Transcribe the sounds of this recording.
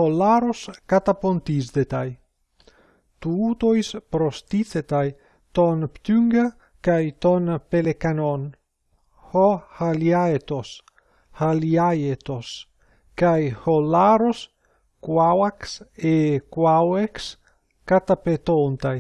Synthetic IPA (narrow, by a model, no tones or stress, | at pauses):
olaɾoskat̪apont̪izd̪et̪aj | t̪uut̪ojspɾost̪it͡set̪aj | t̪onpt̪yŋɡa | kajt̪onpelekanon | hohaljaet̪os | haliajet̪os | kajholaɾos | kwawaksekwaweks | kat̪apet̪ont̪aj